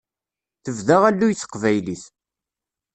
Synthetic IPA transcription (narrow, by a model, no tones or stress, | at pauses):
θəvðaʁælːujəθːə̥qvæjliθ